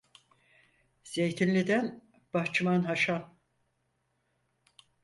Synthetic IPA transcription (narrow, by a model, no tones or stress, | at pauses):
z̥ejt̪ʰinlʲid̪æn | b̥aht͡ʃɯmanɦaʃan